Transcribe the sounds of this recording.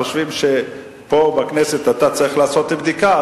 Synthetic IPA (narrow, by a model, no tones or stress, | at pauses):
oʃvimʃe̞ | po̞baknese̞t̪at̪at͡saʁiχlaːso̞t̪ibd̪ika